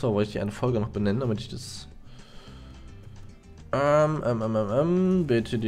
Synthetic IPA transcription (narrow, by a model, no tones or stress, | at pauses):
aːvɔltɪçd̥iːʔa̰ɪnəfɔlɡənɔχb̥ənɛnəndamɪtɪçd̥as | ʔɛmʔɛmʔɛmɛmʔɛmbɪtʰədi